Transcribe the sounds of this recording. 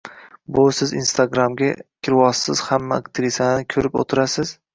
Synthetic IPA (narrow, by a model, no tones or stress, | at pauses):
bʊsɪzinst̪ʰaɡɾamɡʲakʲʰɪɾwɒsːɪz̥hamːaːkt̪ʰɪɾisanɪkʲʰɵɾɪpo̰t̪ʰɪɾasɪz̥